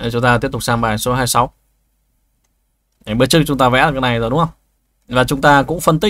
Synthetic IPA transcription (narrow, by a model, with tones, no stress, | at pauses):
t͡ɕʊ˨˦ŋ͡mt̪aː˧i˦˥əp̚t̪̚saː˧mɓaː˨˩jso˨˦ɦaː˧jsa˨˦w | ɓɨ˧˦t͡ɕɨ˦˥k̚t͡ɕʊ˨˦ŋ͡mt̪aː˧vɛ̰˧˥lːka˨˦˥na˨˩jzo˨˩ɗʊ˨˦hə˧wŋ͡m | vaː˨˩t͡ɕʊ˨˦ŋ͡mt̪aː˧kʊ̰˧˥ŋ͡mfə˧nt̪i˦˥